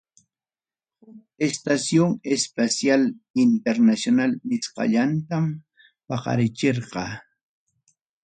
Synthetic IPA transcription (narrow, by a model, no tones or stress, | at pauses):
hʊk | est̪asjoŋespasjalɪnt̪eɾnasjonalmɪsqɑ̰ʎant̪am | pɑqɑ̰ɾɪt͡ʃeɾqɑ